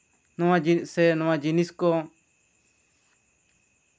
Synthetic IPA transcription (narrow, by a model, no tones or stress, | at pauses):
nɔ̃ãd͡ʒisɛnɔ̃wãd͡ʒiniskɔ